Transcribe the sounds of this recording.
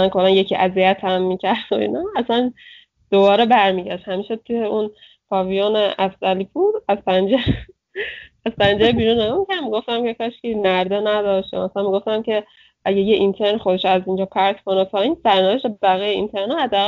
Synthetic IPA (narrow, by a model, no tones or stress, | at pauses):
ænko̞lːænje̞cʰiʔæziæt̪ʰæmːicʰæɾd̪oḭnɒæsæn | d̪̥o̞bɒːɾebæɾmiːɟæʃt̪hæmiːʃet̪ʰujeun | pʰɒːvijoneæfzæliːbud̪æzpænd͡ʒe | æzpænd͡ʒeɾbiːɾuneɡumicʰænmiɡo̞ft̪æmcekʰɒːʃkinæɾd̪enæd̪ɒːʃt̪jɒ̰mæsænmiɡo̞ft̪æmcʰe̞ | ʔæɟejeʔint̪ʰeɾnxod̪e̞ʃoæzind͡ʒɒːpʰæɾt̪kʰo̞nepʰɒːiːnsæɾnæveʃt̪ebæɣijeint̪ʰeɾnoæd̪ːæːɣæ